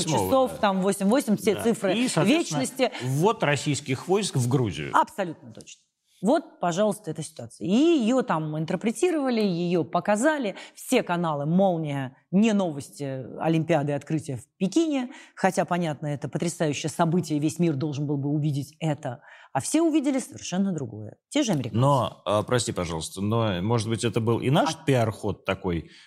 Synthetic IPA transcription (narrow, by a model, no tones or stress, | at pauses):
t͡ɕɪso̞ft̪amvosʲɪmʲvosʲɪmʲfsʲet̪sɨfɾɨsvʲet͡ɕnnəsʲtʲɪvo̞t̪rɐsʲijskʲɪxvojskvɡɾuzʲɪ̰jʊ̰ɐpsɐlʲut̪nət̪o̞t͡ɕnə̥ | vo̞t̪̚pɐʐɑlˠəst̪əɛt̪əsʲɪ̥t̪ʊat̪sɨjəijɪjot̪amɪnt̪ərpɾʲɪtʲiɾəvəlʲɪjɪjo̞pəkɐzalʲɪfsʲe̞kɐnalˠɨmo̞lˠnʲɪjə | nʲɪno̞vəsʲtʲɪɐ̰lʲɪmʲpʲɪad̪ɨɪɐt̪kɾɨtʲɪjəfpʲɪkʲinʲɪxɐtʲapɐnʲat̪nəɛt̪əpət̪ɾʲɪsajʉɕːɪjəsɐbɨtʲɪjəvʲesʲmʲird̪o̞lˠʐɨnbɨlˠbɨʊvʲidʲɪtʲɛt̪əafsʲe̞ʊvʲidʲɪlʲɪsəvʲɪrʂɛnːəd̪ɾʊɡo̞̰jə̰tʲe̞ʐəɐmʲɪɾʲɪkanoəpɾʔɐsʲtʲipɐʐɑ̰lˠəst̪ənomo̞ʐəd̪̚bɨtʲɛt̪əbɨlˠʔɪ̰naʂpʲɪarxo̞t̪ːɐko̞j